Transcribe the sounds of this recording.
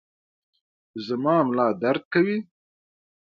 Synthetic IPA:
zəmɑːmlɑːd̪aɾd̪̚kawi

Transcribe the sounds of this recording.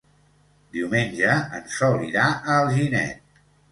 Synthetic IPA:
d̪iwmenʲʒəənsɔliɾaʔəlˠʒinɛ̰t̪̚

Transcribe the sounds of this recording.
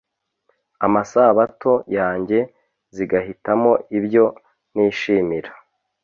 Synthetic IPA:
amasaβatʰo̞jaːɲɟe̞ | ziɡahitamo̞iβjo̞ | niːʃiːmiɾḁ

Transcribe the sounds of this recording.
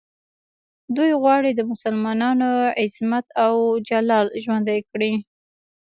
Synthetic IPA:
d̪ujɣwɑɽid̪əmʊsalmɑnɑnoɪsmat̪awd͡ʒalɑlʒwand̪ajkɽi

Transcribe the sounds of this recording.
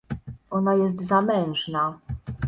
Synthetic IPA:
ʔɔnajɛs̬t̪zamɛ̃w̃ʐna

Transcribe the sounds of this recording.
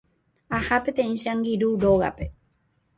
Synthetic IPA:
ahapet̪ẽĩʃaŋɡiɾuɾoɣa̰pe̞

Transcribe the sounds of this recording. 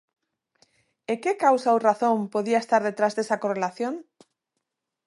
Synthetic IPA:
ekekawsawraθõmpoðiaest̪aɾðet̪ɾazðesakorelaθjoŋ

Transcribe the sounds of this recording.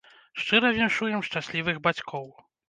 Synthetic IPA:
ʂt͡ʂɨɾɐvʲɛnʂujɛmʂt͡ʂasʲlʲivɨɣbat͡sʲkʰɔw

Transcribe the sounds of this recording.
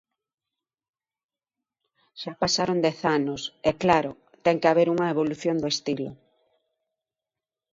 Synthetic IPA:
ʃapasaɾond̪ɛθanosɛklaɾo | t̪ɛŋkeaβ̞eɾuŋɐeβ̞oluθjond̪oest̪ilo̰

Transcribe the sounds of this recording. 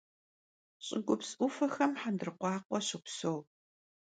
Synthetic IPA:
ɕʼɪɡʷʊpsʔʊfɐxɐmħandɨrqʷɑːqʷɔɕɪpsow

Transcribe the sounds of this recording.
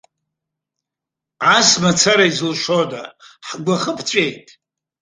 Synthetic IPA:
ʕasmat͡sʰaɾaizlʃoda̰ħɡʷaχəpʰt͡ɕʷʼejtʼ

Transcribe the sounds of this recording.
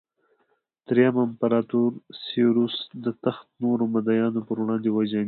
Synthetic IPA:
t̪ɾejamampaɾɑt̪uɾseɾusd̪ət̪axt̪̚noɾomad̪ajɑnopəɾwɽɑnd̪ewad͡ʒa

